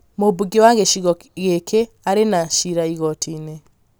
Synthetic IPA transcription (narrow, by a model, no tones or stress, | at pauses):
mobuɡewaɣeʃiɣɔɣekʰe | aɾenaʃiɾaiɣɔtʰine